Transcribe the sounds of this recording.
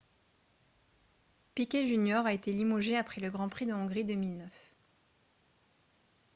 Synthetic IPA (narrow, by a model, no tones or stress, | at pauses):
pikʲeʒynjɔʁaet̪elimoʒeapχɛləɡʁɑ̃pχid̪əɔ̃ɡʁid̪əmilnœf